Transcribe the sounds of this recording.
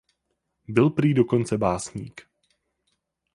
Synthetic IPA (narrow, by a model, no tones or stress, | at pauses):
bɪlpɾiːdoko̞nt͡sɛbaːsɲḭːk